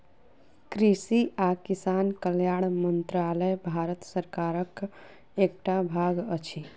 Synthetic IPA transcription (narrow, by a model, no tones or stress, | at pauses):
kɾisiakisankəljaɽmənt̪ɾaləjbʱaɾət̪səɾkaɾək | ekʈabʱaɡət͡ʃʰi